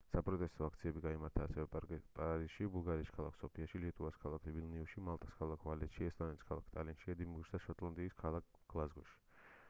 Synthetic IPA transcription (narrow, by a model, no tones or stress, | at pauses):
sapʼɾɔt̪ʼɛst̪ʼɔak̚ʰt̪sʰiɛbiɡaimaɾt̪ʰaːsɛvɛpʼaɾisʃibulˠɡaɾiːskʰalˠakʰsɔpʰiaʃilit̪ʼuvaskʰalˠakʰlivilniuʃimalˠt̪ʼaskʰalˠakʰvalɛt̪ʃiɛst̪ʼɔnɛliskʰalˠa̰kʰt̪ʼalinʃiɛd̪imbuɡʃd̪aʃɔt̪ʼlˠand̪iːskʰalˠak̚ʰɡ̥lˠazɡɔʃi̥